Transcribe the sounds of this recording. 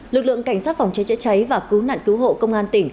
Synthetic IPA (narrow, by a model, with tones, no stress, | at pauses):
lɨ˨˩k̚lɨ̰˧˨ə˨ŋka˧˩jŋ̟saː˦˥t̚fwŋ͡mt͡ɕə˨˦jt͡ɕa̰˧˥jt͡ɕa˨˦jvaː˨˩kɨ˨˦wna̰ː˧˨nkɨ˨˦wɦo̰˧˨kə˧wŋ͡mʔaː˧nt̪ï˧˩ŋ̟